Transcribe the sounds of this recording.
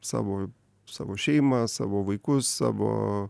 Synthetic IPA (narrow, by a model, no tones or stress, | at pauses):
sɑ̰ːʋoː | sɑ̰ːʋoːʃʲɛɪmɐsɑ̰ːʋoːʋɐɪkʊssɑ̰ːʋo̰ː